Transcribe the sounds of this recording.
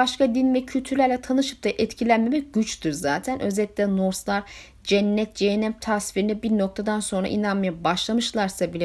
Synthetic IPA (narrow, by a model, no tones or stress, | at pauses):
aʃkad̪invɛcʰylʲt̪ʰyɾlʲæɾlʲɛt̪ʰanɯʃɯp̚t̪aʔɛt̪cʰilʲænmemɛc̚ɟ̥yt͡ʃt̪ʰuɾzaːt̪ʰænʔøzɛlʲit̪lʲɛno̞ɾslˠaɾ | d͡ʒɛnːɛt̪̚d͡ʒejɛnɛmt̪ʰasfiɾinɛbiɾnok̚t̪ʰad̪anso̞nɾa̰ʔḭnanmajabaʃlˠamɯʃlˠaɾsabilʲɛ